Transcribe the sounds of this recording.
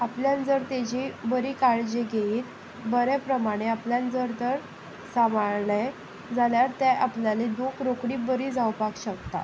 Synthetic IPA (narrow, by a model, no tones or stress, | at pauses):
apljãnd͡zəɾt̪ed͡ʑibəɾiːkaɭd͡ʑeɡeiːt̪ | bəɾepɾəmaɽ̃eapljãnd͡zəɾt̪əɾ | samaɭɭe | d͡zaljaɾt̪eʔapljaled̪okʰɾokɽiːbəɾiːd͡zawpakɕəkt̪a̰